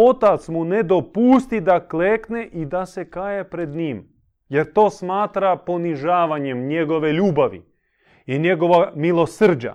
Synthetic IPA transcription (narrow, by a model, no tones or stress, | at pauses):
o̞t̪at̪smune̞d̪o̞puːst̪id̪akleːkne̞ʔid̪ase̞kaːjepɾe̞d̪ɲiːm | je̞ɾt̪o̞ːsmaːt̪ɾapo̞niʒaːʋaɲe̞mɲe̞ɡo̞ʋe̞ʎuːbaʋḭ | iɲe̞ɡo̞ʋamilˠo̞sr̩d͡ʑa̰